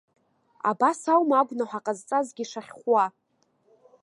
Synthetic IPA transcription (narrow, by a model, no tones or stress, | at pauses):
a̰basawmaɡʷnaħʷaqʼazt͡sʼazɡʲiʂaχʲχʷwa